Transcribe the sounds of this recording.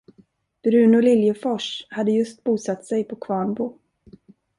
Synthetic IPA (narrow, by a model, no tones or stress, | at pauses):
b̥ɾʉ̟ːnʊlɪljəfɔʂhad̪ːəjɵst̪̚buːsat̪ːsɛjpʰɔkʰvɑːɳbʊ